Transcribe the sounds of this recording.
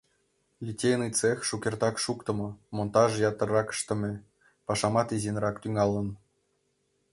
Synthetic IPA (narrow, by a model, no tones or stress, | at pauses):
lʲitʲːejnɯt͡sexʲʃukʲert̪ɑkʂukt̪ɤ̆mɤ̆mont̪ɑʐjɑt̪ɤ̆rɑkə̥ʃt̪ɤ̆mʲɘ̆ | pɑʂɑmɑt̪izʲenrɑkt̪yŋɑlˠːɤ̆n